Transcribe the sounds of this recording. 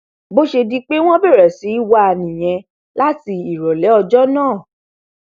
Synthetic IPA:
bo˦ʃe˧di˦k͡pe˦w̃ɔ̃˦bɛ˦˨ɾɛ˨si˨˦i˦wa˧a˧nĩ˨j̃ɛ̃˧ | la˦ti˧i˨ɾɔ˨lɛ˨˦ɔ˧d͡ʒɔ˦nãː˦˨

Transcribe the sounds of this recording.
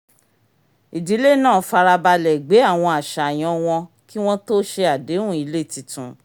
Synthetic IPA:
i˨di˨˦le˦˨nãː˦˨fa˧ɾa˧ba˧lɛ˨ɡ͡be˨˦a˦˨w̃ɔ̃˧a˨ʃa˨j̃ɔ̃˧˦w̃ɔ̃˧ | ki˦w̃ɔ̃˦to˦ʃe˧a˨de˨˦ũ˦˨i˨˧˦le˦˨ti˨˧tũ˨

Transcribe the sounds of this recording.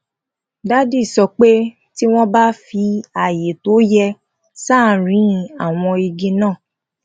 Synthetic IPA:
da˦di˦˨sɔ˧k͡pe˦ | ti˦w̃ɔ̃˦ba˦fi˧a˨je˨to˨˦jɛ˧ | saː˦˨ɾĩ˨˦˧a˦˨w̃ɔ̃˧i˧ɡĩ˧˦nãː˦˨

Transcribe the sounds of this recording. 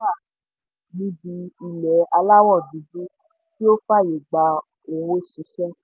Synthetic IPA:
a˦˨ | nĩ˦bi˧˦i˨lɛ˨˦a˧la˦wɔ˦˨du˨˦bu˦ | ki˦o˦fa˦˨je˨ɡ͡ba˧ | o˨wo˦ʃi˨˦ʃɛ˦

